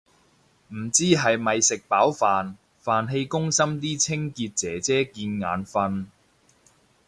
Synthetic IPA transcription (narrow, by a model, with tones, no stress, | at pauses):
m̩˨˩t͡siː˥ɦɐ˨jmɐ˨jsɪ˨k̚paː˨˥wfaː˨n | faː˨nɦe˧jkʊ˥ŋsɐ˥mt̪̬iː˥t͡sʰɪ˥ŋkiː˧t̚t͡sɛː˨˥t͡sɛː˥kiː˧nŋa̰ː˨˥nfɐ˧n